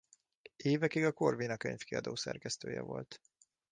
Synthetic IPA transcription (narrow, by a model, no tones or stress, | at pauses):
eːvɛkiɡɒkorviːnɒkøɲfkiɒ̰d̪oːsɛ̰rkɛst̪øːjɛ̰vo̞lt̪